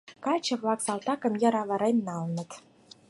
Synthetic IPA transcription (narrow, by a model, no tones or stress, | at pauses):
kɑt͡ɕɤ̆βlɑksɑlt̪ɑkɤ̆mjɑɾɑβə̆ɾemʲnɑlnə̆t̪